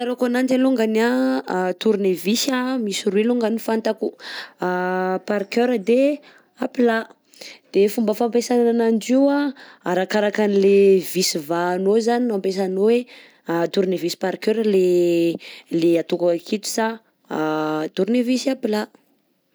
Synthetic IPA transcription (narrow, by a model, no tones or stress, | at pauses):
aɾokanand͡ʒaluŋɡanat̪uɾunevisamisiɾuiluŋɡanifant̪akuapaɾkøɾəd̪e | apila | d̪̥efumbəfampesanananand͡ʒiwaaɾakaɾakanilevisivaːnozaninampes̬anowe | t̪uɾnevisi̥paɾkøɾəle | leat̪ukakit̪u̥sa | t̪uɾinevisapila